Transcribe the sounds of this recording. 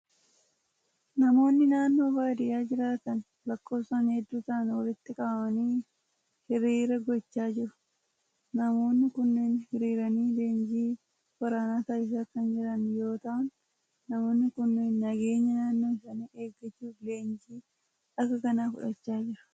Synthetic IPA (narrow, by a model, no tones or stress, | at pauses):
nɐmo̞ːnːɪnaːnːo̞ːbaːd̪ɪjaːd͡ʒɪɾaːt̪ɐn | lɐkːo̞ːpsɐnhɛd̪ːuːt̪ɐnwɐlɪt̪ːɪkʼɐbɐmɐniː | hɪɾiːɾɐɡɔt͡ʃːaːd͡ʒɪɾʊ̥ | nɐmo̞ːnːɪkʊnːeːnhɪɾiːɾɐniːle̞ːnd͡ʒiː | wɐɾanaːt̪ɐːɪs̬aːkɐnd͡ʒɪɾɐnjo̞ːt̪ɐʔɐnː | ɐmo̞ːnːɪkʊnːeːnːɐɡe̞ːɲːɐnaːnːo̞ːɪsɐniːe̞ːɡɐt͡ʃːuːfleːnd͡ʒiː | ʔɐkːɐkɐnaːkʊ̰ᶑɐt͡ʃːaːd͡ʒɪɾɐ̥